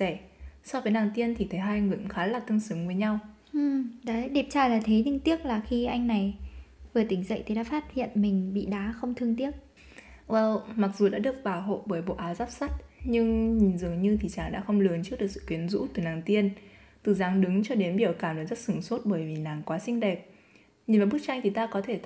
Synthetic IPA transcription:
ɛ˧˩sɔ˧vəː˨˦jnaː˨˩ŋt̪i˧ənt̪ʰi˨˩t̪ʰə˨˦jɦaː˧jŋɨ˨˩˨xaː˨˦laː˨˩t̪ɨ˧əŋsɨ˨˦ŋvəː˨˦jɲa˧w | ʔɨ˨˩ɗaː˨˦ɗe˨˩p̚t͡ɕaː˨˩jlaː˨˩t̪ʰe˨˦t̪i˧ŋt̪i˦˥ək̚laː˨˩xi˧ʔa˧jŋna˨˩jvɨ˨˩ət̪ï˨˦ŋ̟zə̰˧˨jt̪ʰi˨˩ɗa̰ː˧˥faː˦˥t̚hḭ˧˨ənmï˨˩ŋ̟ɓḭ˧˨ɗaː˨˦xə˧wŋ͡mt̪ʰɨ˧əŋt̪i˦˥ət̚ | ʔəː˧˩ma˨˩k̚zu˨˩ɗa̰ː˧˥ɗɨ˨˩ək̚ɓaː˧˩ɦo̰˧˨ɓəː˧˩jɓo̰˧˨ʔaː˨˦zaː˦˥p̚sa˦˥t̚ɲɨ˧ŋɲi˨˩nzɨ˨˩ə˩ŋɲɨ˧t̪ʰi˨˩t͡ɕaː˧˩ŋɗa̰ː˧˥xə˧wŋ͡mlɨ˨˦nt͡ɕɨ˦˥k̚ɗɨ˨˩ək̚sɨ̰˧˨ki˨˦ənzṵ˧˥t̪ɨ˨˩naː˨˩ŋt̪i˧ən | t̪ɨ˨˩zaː˨˦ŋɗɨ˨˦ŋt͡ɕɔ˧ɗe˨˦nɓi˧˩əwkaː˧˩məː˨˦jzə˦˥t̚sɨ˧˩ŋswə˦˥t̚ɓəː˧˩jvi˨˩laː˨˩ŋkwaː˨˦sï˧ŋ̟ɗɛ˨˩t̚ | ɲi˨˩nvaː˨˩ɓk̚t͡ɕa˧ŋ̟t̪ʰi˨˩t̪aː˧kɔ˨˦t̪ʰe˧˩

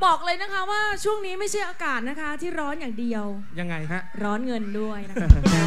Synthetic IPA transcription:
bɔː˨˩k̚lɤː˧jna˦˥kʰa˦˥waː˥˩t͡ɕʰu˥˩əŋniː˦˥ma˥˩jt͡ɕʰa˥˩jʔaː˧kaː˨˩t̪̚na˦˥kʰa˦˥t̪ʰiː˥˩ɾɔː˦˥njaː˨˩ŋdi˧əw | ja˧ŋːa˧jɾɔː˦˥nŋɤ˧ndu˥˩əjna˦˥kʰa˦˥

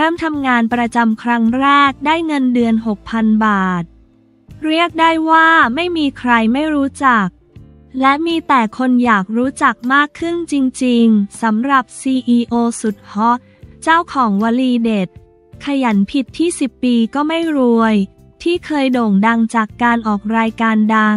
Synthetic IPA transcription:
ɾɤː˥˩mt̪ʰa˧mŋaː˧npɾa˧t͡ɕa˧mkʰɾa˦˥ŋɾɛː˥˩k̚daː˥˩jŋɤ˧ndɯ˧ənɦo˨˩k̚pʰa˧nbaː˨˩t̪̚ | ɾi˥˩ək̚daː˥˩jwaː˥˩ma˥˩jmiː˧kʰɾa˧jma˥˩jɾuː˦˥t͡ɕa˨˩k̚ | lɛ˦˥miː˧t̪ɛː˨˩kʰo˧njaː˨˩k̚ɾuː˦˥t͡ɕa˨˩k̚maː˥˩kʰːɯ˥˩nt͡ɕi˧ŋt͡ɕi˧ŋsa˩˦mɾa˨˩p̚siː˧ʔiː˧ʔoː˧su˨˩t̪̚hɔ˦˥ | t͡ɕaː˥˩wkʰɔː˩˦ŋwaː˧liː˧de˨˩t̪̚ | kʰa˧ja˩˦npʰi˨˩t̪ʰːiː˥˩si˨˩pːiː˧kɔː˥˩ma˥˩jɾu˧əj | t̪ʰiː˥˩kʰɤː˧jdoː˨˩ŋda˧ŋt͡ɕaː˨˩kːaː˧nʔɔː˨˩k̚ɾaː˧jkaː˧nda˧ŋ

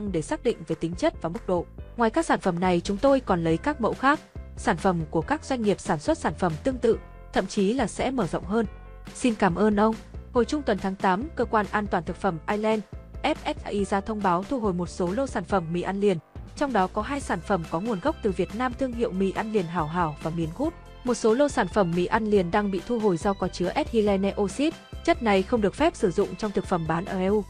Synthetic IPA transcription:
ŋɗe˧˩saː˦˥k̚ɗḭ̈˧˨ŋ̟ve˨˩t̪ï˨˦ŋ̟t͡ɕə˦˥t̚vaː˨˩mɨ˦˥k͡p̚ɗo̰˧˨ŋwaː˨˩jkaː˦˥k̚saː˧˩nfə˧˩mna˨˩jt͡ɕʊ˨˦ŋ͡mt̪o˧jkɔ˨˩nlə˨˦jkaː˦˥k̚mo̰˧˥xaː˦˥k̚saː˧˩nfə˧˩mku˧˩əkaː˦˥k̚zwa˧jŋ̟ŋi˨˩əp̚saː˧˩nswə˦˥t̚saː˧˩nfə˧˩mt̪ɨ˧əŋt̪ɨ̰˧˨ | t̪ʰə̰˧˨mt͡ɕi˨˦laː˨˩sɛ̰˧˥məː˧˩zə̰˧˨wŋ͡mɦəː˧n | si˧nkaː˧˩mʔəː˧nʔə˧wŋ͡mho̰˨˧˩jt͡ɕʊ˧ŋ͡mt̪wə˨˩nt̪ʰaː˨˦ŋt̪aː˨˦mkəː˧kwaː˧nʔaː˧nt̪waː˨˩nt̪ʰɨ˨˩k̚fə˧˩mʔaː˧jlɛ˧nʔɛ˦˥p̚ʔɛ˦˥t̚ʔaː˧ʔi˧zaː˧t̪ʰə˧wŋ͡mɓaː˨˦wt̪ʰu˧ɦo̰˨˩jmo˨˩t̚so˨˦lo˧saː˧˩nfə˧˩mːḭ˧˥ʔa˧nli˨˩ənt͡ɕɔ˧wŋ͡mɗɔ˨˦kɔ˨˦ɦaː˧jsaː˧˩nfə˧˩mkɔ˨˦ŋu˨˩ənɣə˦˥k͡p̚t̪ɨ˨˩vi˨˩ət̚naː˧mt̪ʰɨ˧əŋɦḭ˧˨əwmḭ˧˩ʔa˧nli˨˩ənɦaː˧˩wɦaː˧˩wvaː˨˩mi˨˦ənɣu˦˥t̚ | mo˨˩t̚so˨˦lo˧saː˧˩nfə˧˩mːḭ˧˥ʔa˧nli˨˩ənɗaː˧ŋɓḭ˧˨t̪ʰu˧ɦo˨˩jza˧wkɔː˨˦t͡ɕɨ˨˦əʔɛ˦˥t̚hi˧lɛ˧nɛ˧ʔo˧si˦˥t̚t͡ɕə˦˥t̚na˨˩jxə˧wŋ͡mɗɨ˨˩ək̚fɛ˦˥p̚sɨ˧˩zʊ̰˧˨ŋ͡mt͡ɕɔ˧ŋ͡mt̪ʰɨ˨˩k̚fə˧˩mɓaː˨˦nʔəː˧˩ʔɛ˧ʔu˧˩

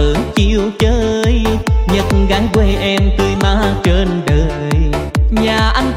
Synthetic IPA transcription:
ɨ˨˦ŋt͡ɕi˧əwt͡ɕəː˧˦˧jɲə˨˩t̚nɣaː˨˦jkwe˧˩ʔɛ˧mt̪ɨː˧jmaː˧˥t͡ɕe˧nɗəː˨˩ | jɲaː˨˩ʔa˧jŋ̟

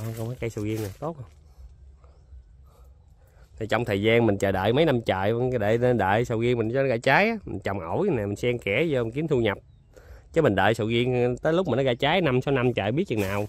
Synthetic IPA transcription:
a˧˨˩kwmaː˨˦ka˧jsɨ̰˧˨ɣi˧əŋna˨˩t̪o˦˥t̚h | t̪ʰi˨˩jt͡ɕɔ̰˧˨wŋ͡mt̪ʰəː˨˩jzaː˧nmï˨˩ŋ̟t͡ɕə̰ː˨˩jɗə̰ː˧˨jmə˨˦jna˧mt͡ɕa̰ː˧˨jŋɗe˧˩˧ɗə̰ː˧˨jsə̰˧˩wɣi˧əŋmi˨˩nɔ˧˦n˦˩ɣaː˧˩t͡ɕaː˨˦jʔmï˨˩ŋt͡ɕa˨˩wŋ͡mʔə˧˩wjna˨˩mï˨˩ŋ̟sɛ˧ŋkɛ˧˩zɔ˧˨˩ŋki˨˦ənt̪ʰu˧ɲə˨˩p̚ | t͡ɕə˨˦mï˨˩ŋ̟ɗə̰ː˧˨jsə̰˧˨ɣi˧əŋt̪əː˨˦jlk͡pma˨˩nːɔ˨˦ɣaː˧˩t͡ɕaː˨˦jna˧msaː˨˦wna˧mt͡ɕa̰ː˧˨jɓi˦˥t̚t͡ɕɨ̰˨˩naː˨˩w

